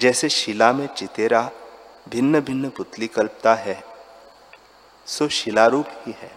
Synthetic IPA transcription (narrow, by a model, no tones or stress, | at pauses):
d͡ʒɛːseʃɪlamẽt͡ʃɪt̪eːɾabʱɪnːəbʱɪnːəpʊt̪likɐlp̚t̪aɦɛ | soːʃɪlaɾuːphiɦɛː